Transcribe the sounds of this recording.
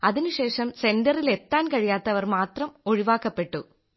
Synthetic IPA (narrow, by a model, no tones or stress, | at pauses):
ɐðinuɕeːʂɐmsendɐrilet̪ːaːnkɐɻijaːt̪ːɐʋɐrmaːt̪rɐmo̞ɻiʋaːkːɐpːe̞ʈːu